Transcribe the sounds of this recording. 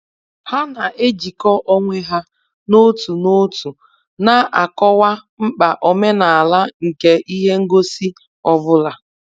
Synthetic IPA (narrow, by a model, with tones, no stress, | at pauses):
ha˦na˨ʔe˦d͡ʒi˨kɔ˦ʔɔ˦ŋʷe˦ɦa˦ | no˦tu˨no˦tu˨ | na˨ʔa˨kɔ˦wa˦ŋ͡m̩˦k͡pa˨ʔɔ˨me˦na˨a˨la˦ŋ̩˨ke˦ʔi˦ɦe˦ŋ̩˦ɡo˦si˦ | ɔ˦vʊ˦la˨˦